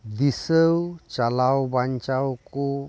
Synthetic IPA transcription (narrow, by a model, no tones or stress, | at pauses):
d̪isəwt͡ʃalawbaɲt͡ʃawku